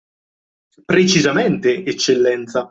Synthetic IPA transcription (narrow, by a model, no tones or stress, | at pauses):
pɾet͡ʃizamɛnt̪eet͡ʃːelːɛnt̪sa